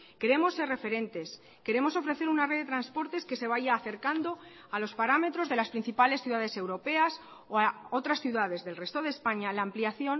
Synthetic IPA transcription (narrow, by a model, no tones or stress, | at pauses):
ke̞ɾe̞mo̞sːe̞rre̞fe̞ɾe̞nt̪e̞s | ke̞ɾe̞mo̞so̞fɾe̞θe̞ɾunareðet̪ɾanspo̞ɾt̪e̞ske̞seβ̞aʝaːθe̞ɾkand̪o̞ | alo̞spaɾame̞t̪ɾo̞zðe̞laspɾin̟θipale̞sθjuðaðe̞se̞wɾo̞pe̞as | oaot̪ɾasθjuðað̞e̞zðe̞lre̞st̪o̞ð̞eːspaɲalaːmpliaθjo̞n